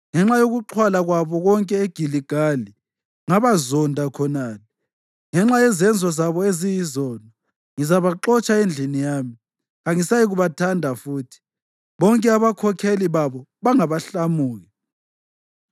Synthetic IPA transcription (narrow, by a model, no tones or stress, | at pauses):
ŋɛŋ͡ǁajoɣuǃʰwalaɣwaβɔɣɔŋkʼɛeɡ̥ʱiliɡ̥ʱali | ŋaβazɔndʱakʰɔnaːlɛ | ŋɛŋ͡ǁajɛzɛnd͡zʱɔzaβɔezijizɔːnɔ | ŋizaβaǃɔt͡ʃʼaend͡ɮʱinijaːmi | ɣaŋisajiɣuβatʰandʱafuːtʰi̥ | βɔŋkʼɛaβakʰɔkʰeliβaβɔβaŋaβaɬamuːɣɛ